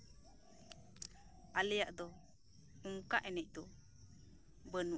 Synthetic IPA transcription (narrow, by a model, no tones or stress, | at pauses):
alɛjaʔd̪ɔ | uŋkaʔɛnɛc̚ˀd̪ɔ | bənu